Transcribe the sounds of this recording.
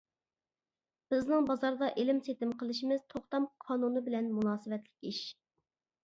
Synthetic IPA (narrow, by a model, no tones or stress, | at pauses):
b̥ɪznɪŋbɑzɑɾd̪ɑʔelɪmset̪ɪmqʰəlˠɪʃimɪz̥t̪ʰoχt̪ɑmqʰɑːnunɨbɪlɛnmunɑːsɨvɛt̪lɪ̥kʲiʃ